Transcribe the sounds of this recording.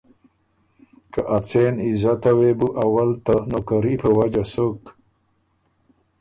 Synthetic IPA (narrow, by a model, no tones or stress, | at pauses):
kaʔat͡senizat̪awebuʔawalt̪anokaɾipʰəwad͡ʒasok